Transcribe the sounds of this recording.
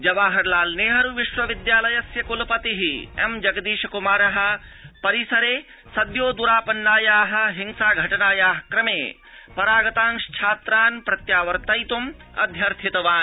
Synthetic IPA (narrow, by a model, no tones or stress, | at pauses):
d͡ʒɐʋaːɦɐɾlaːlneːɦɐɾuʋiʃʋɐʋid̪jaːlɐjɐsjɐkʊlpɐt̪iɦiḛmd͡ʒɐɡd̪iːʃɐkumaːɾɐɦɐ̆pɐɾisɐɾeː | sɐd̪joːd̪uɾaːpɐnːaːjaːɦɐ̆ɦiŋsaːɡʱɐʈɐnaːjaːɦkɾɐmḛː | pɐɾaːɡɐt̪ãːŋʃt͡ʃʰaːt̪ɾaːnpɾɐt̪jaːʋɐɾt̪ɐjt̪um | ɐ̰d̪ʱjɐɾt̪ʰit̪ɐʋaːn